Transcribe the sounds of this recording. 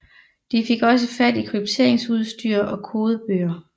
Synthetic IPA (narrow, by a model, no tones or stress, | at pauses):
d̥ife̝ɡ̥ɒ̽s̬əfæd̥ikʰʁyb̥̚t͡sʰe̝ɐ̰eŋsuð̞ˠsd̥yːɐ̰ʔɒ̽kʰo̝ːð̞ˠəb̥øːɐ